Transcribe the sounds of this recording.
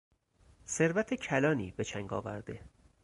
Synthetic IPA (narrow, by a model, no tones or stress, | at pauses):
se̞ɾvæt̪ʰecʰælɒːniːbe̞t͡ʃʰæŋɡɒ̰ːvæ̰ɾd̪e̞